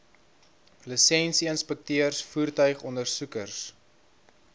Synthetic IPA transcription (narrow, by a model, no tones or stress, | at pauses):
ləsɛnsiənspɛk̚tøərsfuːrtœɥχɔndərsukərs